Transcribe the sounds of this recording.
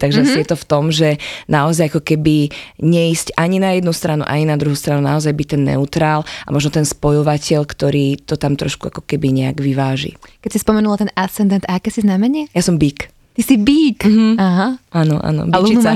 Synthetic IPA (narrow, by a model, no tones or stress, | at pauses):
t̪aɡʒɛasijɛt̪ɔft̪ɔmʒɛnaɔzajakɔkɛbiɲɛiscaɲinajɛd̪nust̪ɾanṵʔa̰ɲinad̪ɾuɦuːst̪ɾanunaɔzajbic̚t̪ɛnːɛ̰ut̪ɾaːlʔa̰mɔʒnɔt̪ɛnspɔjɔʋacɛʎkt̪ɔɾiːt̪ɔt̪amt̪ɾɔ̰ʃkua̰kɔ̥kɛbiɲɛa̰ɡʋiʋaːʒḭkɛcsispɔmɛnulat̪ɛnasɛnd̪ɛnt̪aakɛsiznamɛɲɪɛjasɔmbiːk | t̪isibiːkaɦaanɔ̰ʔa̰nɔ̰bilt͡ʃia